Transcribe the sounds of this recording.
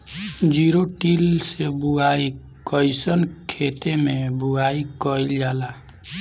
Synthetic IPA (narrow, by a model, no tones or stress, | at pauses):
d͡ʒiɾoʈilsebuai | kəjsənkʰet̪emẽbuaikəild͡ʒaːla